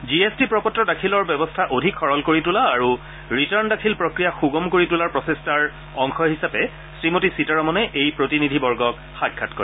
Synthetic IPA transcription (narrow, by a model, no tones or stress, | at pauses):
d͡ʒiestipɹɔpɔtːɔdakʰilɔɹbɛbɔstʰaʔodʱikʰxɔɹɔlkoɹitulaːɹu | ɹitaɹndakʰilpɹokɹijaxuɡɔmkoɹitulaɹpɹɔsestaɹ | ɔŋxɔɦisapɛ | sɹimotisitaɹɔmɔnɛʔejpɹotinidʱibɔɹɡɔk | xakʰːatkɔ̰ɹɛ